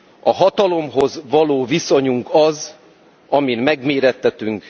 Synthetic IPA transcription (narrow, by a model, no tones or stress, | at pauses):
ɒɦɒt̪ɒlo̞mɦo̞zʋɒloːviso̞ɲuŋkɒz | ɒminmɛɡmeːɾɛt̪ːɛt̪yŋk